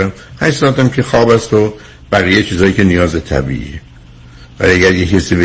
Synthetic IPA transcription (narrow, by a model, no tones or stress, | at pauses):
æmhæʃsɒæt̪æmcʰexɒːbæst̪o | b̥æɣijejt͡ʃʰiːzɒːjiːcʰenijɒːzbet̪ʰæ̰bḭʔḭe | væ̰liæɡæɾjecʰæsiːbe